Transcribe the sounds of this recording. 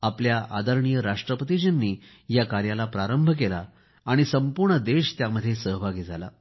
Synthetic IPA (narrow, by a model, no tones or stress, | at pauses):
apljaʔad̪əɾɳijəɾaʂʈɾəpət̪id͡ʑənːiː | jakaɾjalapɾaɾəmbʱəkelaː | ɽ̃isəmpuɾɳəd̪eɕt̪jaməd̪ʱːjesəɦbʱaɡiːd͡zʱala̰